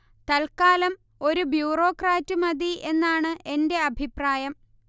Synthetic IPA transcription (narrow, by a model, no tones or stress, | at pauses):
t̪ɐlkaːlɐm | o̞ɾubjuːro̞ːkraːtːɨmɐd̪iʔe̞nːaːɳɨe̞nde̞ɐbʱipraːjɐm